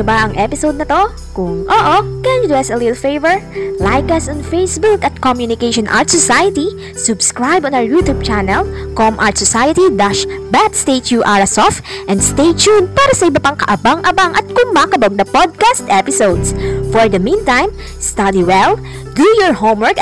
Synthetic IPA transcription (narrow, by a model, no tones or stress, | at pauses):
ʊbaʔɐŋʔɛpɪsowd̪̚nɐt̪o | kʊŋʔoʔokɐnʊd̪ɛsɐlɪt̪lfejvɛɹlajkɐsɔnfejsbukɐt̪̚kɔmjʊnɪkeɪʃɔ̃nʔa̰ɹt̪sɔsajɐt̪i | sʊbskɹajbɔ̃nawəɹjut̪ub̚t͡ʃanɛlkɔmʔa̰ɹt̪sɔsajɐt̪id̪aʃbat̪st̪eɪt̪uʔaɹɐsɔfʔɛ̃nd̪st̪eɪt͡ʃunpaːɾɐsɐʔɪbɐpaŋkɐʔɐbaŋʔɐbaŋʔɐt̪̚kʊŋbakɐboɡ̚nɐpɔd̪̚kast̪ʔɛpɪsowd̪sfɔɹd̪ɐmĩnt̪ãjm | st̪ad̪iwɛl | d̪ujɔɹhowmwɛɹk